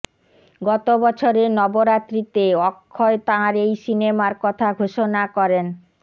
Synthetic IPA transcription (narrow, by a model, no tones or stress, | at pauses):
ɡɔt̪obɔt͡ɕʰoɾenɔboɾat̪ɾit̪eɔkʰːɔet̪ãɾejsinemaɾkɔt̪ʰaɡʱoʃonakɔɾen